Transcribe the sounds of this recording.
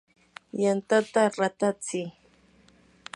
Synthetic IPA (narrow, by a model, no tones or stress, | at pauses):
jant̪at̪aɾat̪at͡sɪ